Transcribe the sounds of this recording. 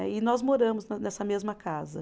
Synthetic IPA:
ɛɪnɔzmoɾɐ̃mʊznɐnɛsɐmezmɐkazɐ

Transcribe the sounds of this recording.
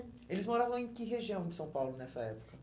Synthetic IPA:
elɪzmoɾavɐ̃w̃ẽj̃kɪɦeʒiɐ̃w̃d͡ʒɪsɐ̃w̃pawlʊnɛsɐɛpʊ̥kɐ

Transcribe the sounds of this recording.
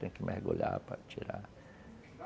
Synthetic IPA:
t̪ẽkɪmʔehɡolʲapɾɐt͡ʃiɾa

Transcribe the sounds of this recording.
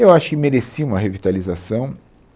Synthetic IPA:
ewaʃʊ̥kɪmeɾesiũmɐɦevit̪alizasɐ̃w̃

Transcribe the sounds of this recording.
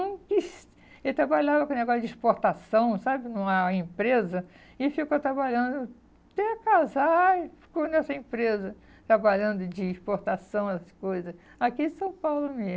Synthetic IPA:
ɐ̃kɪs | elɪt̪ɾabaʎavɐkõneɡɔsʊd͡ʒɪispoɾt̪asɐ̃w̃sabɪnɐ̃aĩpɾezɐ | ɪfikot̪ɾabaʎɐ̃nd̪ʊ | t̪ekazajfi̥kõnɛsɐĩpɾezɐ | t̪ɾabaʎɐ̃nd̪ʊd͡ʒɪːspoɾt̪asɐ̃w̃ɛsɐskojzɐs | akisɐ̃w̃pawlʊme

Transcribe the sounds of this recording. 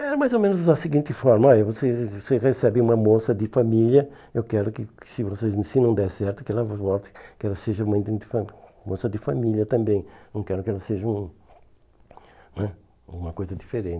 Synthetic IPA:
ɛɾɐmajzomẽnʊzɐsiɡĩnt̪ɪfɔɾmɐɔjɐvoseseʁesɛbɪ̃ũmɐmosɐd̪ɪfamiljɐ | ewkɛɾʊkɪsɪvosezsinɐ̃w̃d̪ɛsɛɾt̪ʊkɪɛlɐvvɔt̪ɪ̥kɪɛlɐseʒɐmɐ̃j̃d̪ẽd̪ɪfɐmosɐd̪ɪfamiljɐt̪ɐ̃mbẽj̃nɐ̃w̃kɛɾʊkɪɛlɐseʒɐũ | nɛ | ũmɐkojzɐd̪ifeɾẽnt̪

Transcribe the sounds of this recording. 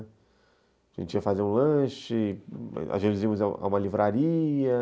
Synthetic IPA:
aʒ̥ḛ̃t͡ʃiɐfazeɾũlɐ̃ʃɪ | a̰ʒẽzĩmʊza̰ũmɐlivɾaɾiɐ

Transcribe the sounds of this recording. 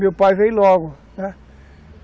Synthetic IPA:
mewpajvej̃lɔɡʊ | nɛ

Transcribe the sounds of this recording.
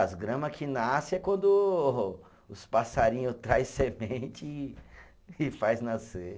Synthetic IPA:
zɡɾɐ̃mɐkʰɪnasɪɛkwɐ̃nd̪ʊ | ʊspasaɾĩɲʊt̪ɾajssemẽnt͡ʃɪ | fajznase

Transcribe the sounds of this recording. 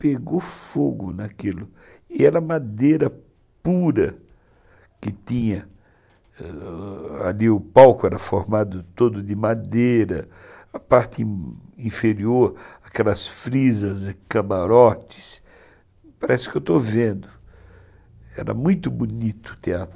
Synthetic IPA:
peɡofoɡʊnakilʊ | ɪɛɾɐmad̪eɾɐ | puɾɐ | kɪt̪ĩɲɐ | a̰liʊpawkʊɛɾɐfoɾmad̪ʊt̪od̪ʊd̪ɪmad̪eɾɐ | ɐpaɾt̪ɪ̃ĩfeɾioɾakɛlɐsfɾizɐzɪkamaɾɔt͡ʃ̪ɪ̥s | paɾɛsɪ̥kɪewt̪ovẽnd̪ʊ | ɛ̰ɾɐ̰mũj̃t̪ʊbunit̪ʊt̪eat̪ɾʊ

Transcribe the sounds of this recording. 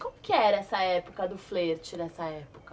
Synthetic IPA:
kõmʊkɪɛɾɐɛsɐɛpʊkɐd̪ʊfleɾt͡ʃɪnɛsɐɛpʊ̥kɐ

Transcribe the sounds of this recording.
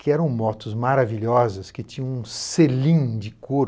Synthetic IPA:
kɪɛɾɐ̃w̃mɔt̪ʊzmaɾaviʎɔzɐskɪt͡ʃĩɲɐ̃ũselĩd͡ʒɪkoɾ

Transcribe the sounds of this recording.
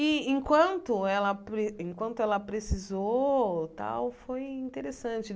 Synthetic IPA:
ɪẽkwɐ̃nt̪ʊɛlɐpɾeẽŋkwɐ̃nt̪ʊɛlɐpɾesizot̪a̰wfojĩnt̪eɾesɐ̃nt͡ʃɪ

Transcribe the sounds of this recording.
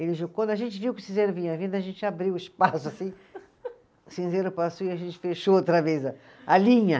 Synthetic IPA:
elɪʒokʷwɐ̃nd̪ʊɐʒẽnt͡ʃɪviwkɪ̥sĩzeɾʊvĩɲɐavĩnd̪ɐʒẽnt͡ʃɪabɾiwɪspasʊasĩ | sĩzeɾʊpasoiaʒẽnt͡ʃɪ̥feʃoot̪ɾɐvezɐ | alĩɲɐ

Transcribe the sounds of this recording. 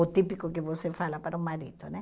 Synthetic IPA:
ot̪ipikokevosefalapaɾumːaɾit̪onɛ

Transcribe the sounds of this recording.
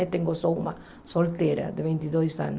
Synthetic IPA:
et̪eŋɡosowma | solt̪ɛɾa̰d̪ɪβint̪iðojsa̰n

